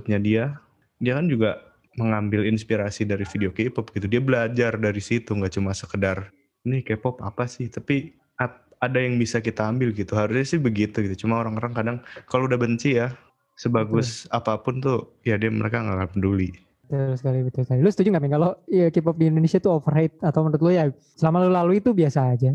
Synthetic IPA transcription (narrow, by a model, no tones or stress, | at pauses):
t̪̚ɲadia | diakand͡ʒuɡa | məŋambɪlinspiɾasidaɾifideokepɔp̚ɡ̥it̪udiabəlad͡ʒardaɾisit̪uŋɡaʔt͡ʃumasəkədar | nɪkepɔpa̰pasɪht̪api | a | adajaŋbisakit̪aːmbɪlɡit̪uɦaɾusɲasɪhbəɡit̪uɡit̪ut͡ʃumaoɾaŋoɾaŋkadaŋkaloudabəɲt͡ʃija | səbaɡʊsapapʊnt̪ʊ | jadiamə̰ɾekaŋɡakanpəduli | t̪əsə̥kalibət̪ʊlsəkalilʊsət̪ud͡ʒuŋɡaminkaloəkip̬ɔp̚diːndonesiat̪uɔfərat̪̚at̪awmənt̪ʊt̪̚loja | səlamalulaluit̪ubiasaːd͡ʒa